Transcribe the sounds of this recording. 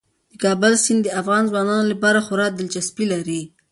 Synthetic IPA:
d̪̥əkɑbəlsɪnd̪əafɣɑnzwɑnɑnolapɑɾaxʊɾɑk̚d̪ɪlt͡ʃaspilaɾi

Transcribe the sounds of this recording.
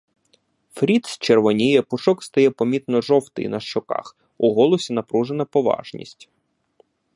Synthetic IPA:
fɾʲit̪st͡ʃerʋɔnʲijɛpʊʃɔkst̪ɐjɛpɔmʲit̪nɔʒɔwt̪ɪ̰nɐʃt͡ʃɔkɑ̰x | uɦɔlˠɔsʲinɐpɾuʒenɐpɔʋɑ̰ʒnʲḭsʲtʲ

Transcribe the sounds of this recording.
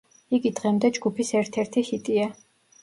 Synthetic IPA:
iɡid̪ʁɛmd̪ɛd͡ʒɡupʰisɛɾt̪ʰɛɾt̪ʰihit̪ʼia

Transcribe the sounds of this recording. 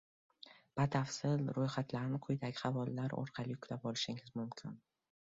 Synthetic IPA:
b̥at̪ʰafsɪlɾojχat̪laɾnɪqʰʊjd̪aɡʲɪχɑvɒlːaɾɒ̰ɾqʰɑlɪʊkʰʲlapɒlɪʃɪŋɪzmʊmkʲʰɪn

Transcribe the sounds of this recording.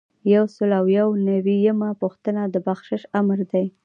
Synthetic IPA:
jawsəlawjawnawijəmapuxt̪ənad̪əbaxʃɪʃamɾd̪aj

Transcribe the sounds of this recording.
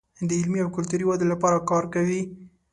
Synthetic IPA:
d̪əɪlmiawkʊlt̪uɾiwad̪elapɑɾakɑɾkawi

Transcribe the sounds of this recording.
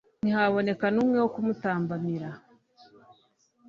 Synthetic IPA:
nihaβo̞ne̞kanuːmŋe̞wokumutaːmbamiɾa

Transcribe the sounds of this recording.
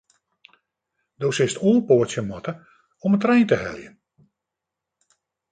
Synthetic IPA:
dowsɪstulˠpoətsjəmɔtə | ɔməntrɛjntəɦɛ̰ljən

